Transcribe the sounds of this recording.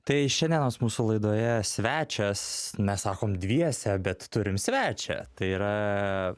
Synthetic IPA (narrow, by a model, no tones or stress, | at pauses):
t̪ɐɪʃʲɛnd̪ʲiɛnoːsmuːsulˠɐɪd̪oːjɛsʲʋʲæːt͡ʃʲɛsmʲɛssɑːkoːmd̪ʲʋʲiɛsʲɛbʲɛt̪t̪ːʊɾʲɪmsʲʋʲæːt͡ʃʲɛ̰t̪ɐɪiːɾɐ